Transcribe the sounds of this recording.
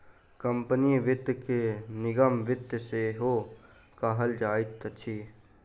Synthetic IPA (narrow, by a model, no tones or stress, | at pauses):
kəmpəniʋɪt̪jkenɪɡəmʋɪt̪jseɦoː | kaɦəld͡ʒaːɪt̪ːət͡ʃʰiː